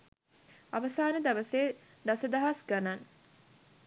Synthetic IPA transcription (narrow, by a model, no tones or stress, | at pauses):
aʋɐsaːnəd̪ɐʋɐseː | d̪ɐsɐd̪ɐɦasɡanan